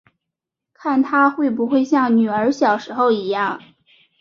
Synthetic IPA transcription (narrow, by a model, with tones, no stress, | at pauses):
kʰa˥˩nt̪ʰa˥xwe˥˩ɪp̬u˧˥xwe˥˧ɪɕjɑ˥˩ŋny˨˩ə˞˧˥ɕjɑ˨˩ʊʂɻ̩˧˥xo˥˧ʊi˧˥jɑ˥˩ŋ